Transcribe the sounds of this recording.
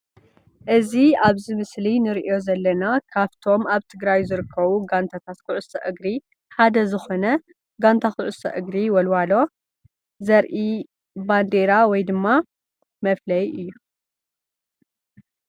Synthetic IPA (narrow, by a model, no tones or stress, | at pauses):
ʔɨziaβzɨmɨslinɨɾiʔo̞zɐlːɐnakʰaβt̪ʰo̞maβt̪ʰɨɡɾajzɨɾɨkʰːɐβuɡant̪ʰat̪ʰat̪kʰɨʕʊsɐʔɨɡɾi | ħad̪ɐzɨxo̞nɐ | ɡant̪ʰakɨʕʊsɐ̰ʔɨɡɾiwɔlwalo̞ | zɐɾʔi | band̪eɾawɔjd̪ɨmːa | mɐflɐjɨjːu